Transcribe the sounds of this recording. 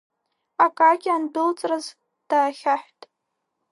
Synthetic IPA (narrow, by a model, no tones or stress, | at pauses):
akʼaɡʲianbɨlt͡sʼraz | d̥aːχʲaħʷᶣtʼ